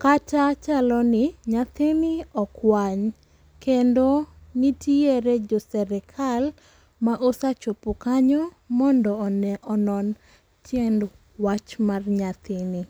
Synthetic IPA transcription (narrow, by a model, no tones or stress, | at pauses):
katat͡ʃalɔnɪɲat̪ɪnɪɔkwaɲ | kendonitieɾɛd͡ʒɔsɛɾɛkʰal | maʔosat͡ʃopokaɲɔ | mɔndɔːnɛʔɔnɔn | tjɛnd | wat͡ʃmarɲat̪ɪni